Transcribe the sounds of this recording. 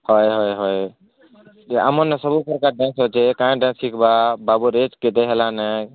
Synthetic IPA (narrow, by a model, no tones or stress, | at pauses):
hɔjɦojɦoj | ea̰monːesəbupəɾkaɖɛ̃nsɦot͡ʃʰɛkãẽɖɛ̃nsikʰbababuɾet͡ʃket̪eɦelanə